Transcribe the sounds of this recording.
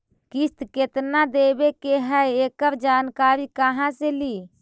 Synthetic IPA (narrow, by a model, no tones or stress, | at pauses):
kist̪ket̪nad̪ebekeɦəjekəɾd͡ʒankaɾikəɦãseli